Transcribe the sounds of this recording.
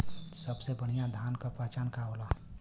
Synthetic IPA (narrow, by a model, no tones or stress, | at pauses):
səbsebəɽ̤ijãd̪ʱankəpat͡ʃankaɦola